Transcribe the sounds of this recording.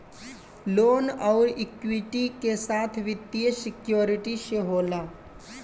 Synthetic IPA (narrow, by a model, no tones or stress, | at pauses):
loːnɔʊɾikʋiʈikesaːt̪ʰʋit̪ːijəsɪkjoːɾiʈiʃeɦoːla